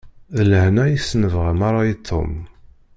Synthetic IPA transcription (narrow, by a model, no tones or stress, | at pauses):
ðələhnæjisnəvʁəmɑɾˤajit̪ʰːo̰m